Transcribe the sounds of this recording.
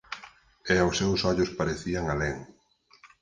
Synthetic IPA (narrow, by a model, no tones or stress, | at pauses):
ɛawsːewsɔʎʊspaɾeθiaŋalɛŋ